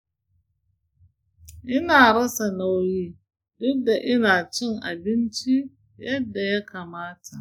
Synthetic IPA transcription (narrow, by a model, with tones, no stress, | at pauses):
ʔɪ˦naː˨ɽɐ˦sa˨na˦wjiː˦ | dʊ˦dːa˨ʔɪ˦naː˨t͡ʃɪ˦ŋʔa˨bɪ˦nt͡ʃi˦ | jɐ˦dːa˨ja˦ka˨maː˦tʰa˨ʔ